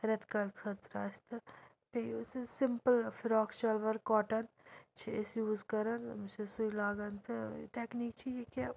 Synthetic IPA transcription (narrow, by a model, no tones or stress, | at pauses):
ɾɐt̪kɐlkʰət̪ɾaːɪst̪ʰɨ | peissɪmpəlfɪɾɔːkt͡ʃɐlʋɐɾkɔːʈən | t͡ʃʰiɪsjuːzkɐɾənmt͡ʃesuilaːɡɐnt̪ɨ̰ʈeːkniːk̚t͡ʃʰijeka